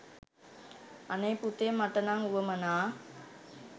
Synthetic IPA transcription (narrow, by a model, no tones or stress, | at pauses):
anəjput̪emːaʈənaŋuʋəmənaː